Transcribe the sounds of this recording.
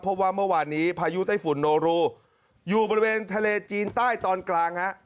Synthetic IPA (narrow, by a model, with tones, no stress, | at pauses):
pʰo˦˥p̚waː˥˩mɯ˥˩ɐwaː˧nːiː˦˥pʰaː˧ju˦˥t̪aː˥˩fu˨˩˦nːoː˧ɾuː˧˩ | juː˨˩bɔ˧ɾi˧weː˧nt̪ʰa˧leː˧t͡ɕiː˧nt̪aː˥˩jt̪ɔː˧nklaː˧ŋha˦˥ʔ